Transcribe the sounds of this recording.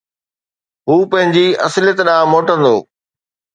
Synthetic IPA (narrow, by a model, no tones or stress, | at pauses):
ɦuːpɐ̃ɦɪ̃ɲd͡ʑiɐ̰sɪlɪjət̪ɗãːmoːʈə̃nd̪oː